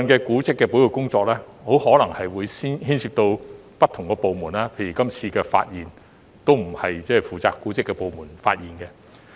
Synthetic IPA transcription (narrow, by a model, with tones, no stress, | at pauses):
nkɛː˧kuː˨˥t͡sɪ˥kːɛː˧puː˨˥jko˨˧wkʊ˥ŋt͡sɔː˧k̚lɛː˥ho˨˥whɔː˨˥lɐ˨˩ŋhɐ˨jwuː˨˧jsiː˥nhiː˥nsiː˧p̚t̪o˧w | pɐ˥t̪ʰːʊ˨˩ŋkɛː˧po˨wmuː˨˩nlaː˥pʰe˧jy˨˩kɐ˥mt͡sʰiː˧kɛː˧fa̰ː˧t̚jiː˨˩n | t̪o˥wm̩˨˩hɐ˨jt͡sɛː˥˨fuː˨˩t͡saː˨˧kːuː˨˥t͡sɪ˥kːɛ˧po˨wmuː˨˩nfa̰ː˧t̚jiː˨nkɛ˧